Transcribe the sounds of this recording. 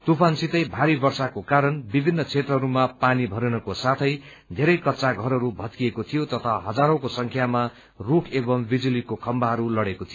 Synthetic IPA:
t̪upansit̪ʌjbʱaɾibʌrsakokaɾʌnbibʱinːʌt͡sʰet̪rʌɦʌɾumapanibʱʌɾenʌkosat̪ʰʌj | d̪ʱeɾʌjkʌtːsaɡʱʌɾʌɾubʱʌt̪̚kiekot̪ʰijot̪ʌt̪ʰaɦʌd͡zaɾõkosʌŋkʰjama | rukʰebʌmbid͡zulikokʰʌmbaɦʌɾulʌɽekot̪ʰijo

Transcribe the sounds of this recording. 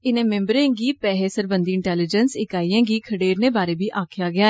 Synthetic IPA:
ɪnẽːmẽːmbəɾẽːɡiːpɛːɦeːsəɾbənd̪iːɪɳʈɛːlɪd͡ʒənsɪkaːiːãːɡiːkʰəɽeːɾneːbaːɾeːbiːʔaːkʰjaːɡɪjaːɛː

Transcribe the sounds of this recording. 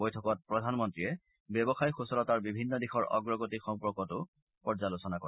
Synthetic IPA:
ojtʰɔkɔt̚pɹɔdʱanmɔntɹijɛ | bjɛbɔxajxusɔlɔtaɹbibʱinːɔdixɔɹɔ̰ɡɹɔɡotikxɔŋpɔɹkɔtʊ | pɔɹzalʊsɔnako

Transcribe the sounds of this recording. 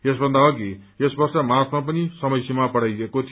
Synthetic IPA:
esbʱʌnd̪aɦʌke | esbʌrsʌmat̪ʰmapʌnisʌmʌjsemapʌɽ̤ajekot̪ʰ

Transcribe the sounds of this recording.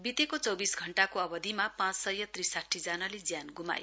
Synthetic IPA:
bit̪ekot͡sʌwbisɡʱʌɳʈakoʌbʌd̪ʱimapãt͡ssʌjʌt̪risaʈʰːid͡zanʌled͡zjanɡuma̰jo

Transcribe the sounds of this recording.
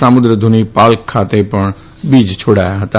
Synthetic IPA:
samʊd̪ɾəd̪ʱʊnipaːlkʰːaːt̪epɐɳ̃ | biːd͡ʒt͡ʃʰoːɽaːjaɦt̪

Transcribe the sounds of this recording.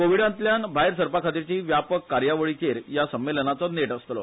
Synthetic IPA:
koʋiɽãnt̪ljanbʱajɾsəɾpakʰat̪̬iɾt͡ɕiːʋjapəkːaɾjaʋəɭit͡ɕeɾjasəmːelənat͡sɔneʈəst̪lɔ̰

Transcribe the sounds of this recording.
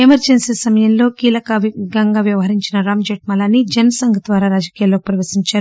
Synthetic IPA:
emɐɾd͡ʒensisɐmɐjɐnlo̞ːkiːlɐkɐʋɡɐŋɡaːʋjɐʋɐɦɐɾiɲt͡ʃinɐɾaːmd͡ʒeːʈ̚mɐlaːnid͡ʒɐnɐsɐŋɡʱɐt̪ʋaːɾaːɾaːd͡ʒɐkiːjaːlːokipɾɐʋɐsiɲt͡ʃaːɾu

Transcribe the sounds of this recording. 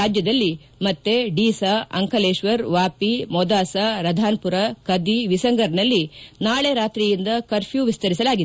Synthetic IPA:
aːd͡ʒjɐd̪ɐlːi | mɐt̪ːeɖiːsaɐ̰ŋkɐleːʃʋɐɾʋaːpimɔd̪aːsɐɾɐd̪ʱaːnpuɾɐkɐd̪iʋisɐŋɡɐɾnɐlːinaːɭeɾaːt̪ɾijind̪ɐkɐɾpʰjuːʋist̪ɐɾisɐlaːɡid̪

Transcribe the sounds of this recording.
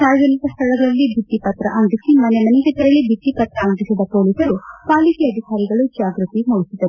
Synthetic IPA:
saːɾɐd͡ʒɐnikɐst̪ʰɐɭɐɡɐɭɐlːibʱiʈːipɐt̪ɾɐʔɐnd̪isimɐnemɐniɡɐt̪ːɐɾɐɭːibʱiʈːipɐt̪ɾɐːnd̪isid̪ɐpoːlisɐɾupaːlikiɐd̪ʱikaːɾiɡɐɭud͡ʒaːɡɾɨt̪imoːɡisid̪ɐ

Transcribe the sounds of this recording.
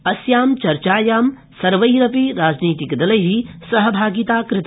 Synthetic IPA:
ɐsjaːmt͡ʃɐɾt͡ʃaːjaːm | sɐɾʋɐjɾɐpiɾaːd͡ʒniːt̪ikd̪ɐlɐɦisɐɦɐbʱaːɡit̪aːkɾɪt̪ː

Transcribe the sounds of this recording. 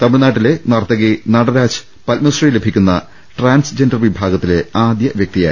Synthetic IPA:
t̪ɐmɨɽenaːʈːilenɐrt̪ːɐɣenɐɽɐɾaːt͡ɕɨ̥ | pɐlmɐsrijle̞bʱikʲːunːɐ̰ | ʈraːnsd͡ʑendɐrʋibʱaːɡɐt̪ːileaːd̪jɐʋjɐk̚t̪ija̰ːj

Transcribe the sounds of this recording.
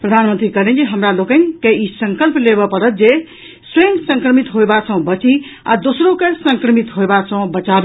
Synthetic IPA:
pɾəd̪ʱanmənt̪ɾikəɦlɛ̃nd͡ʒeɦəmɾalokə̃nkeisə̃ŋkəlplebɔpəɾət̪̚d͡ʒe | seŋɡsə̃ŋkɾəmit̪ɦoebasə̃bət͡ʃia̰d̪osɾokesəŋkɾəmit̪ɦoebasə̃bət͡ʃabe

